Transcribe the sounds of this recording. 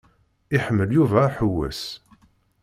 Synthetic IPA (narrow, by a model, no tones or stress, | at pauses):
ɪħəmːəljuvæħəwːæ̰s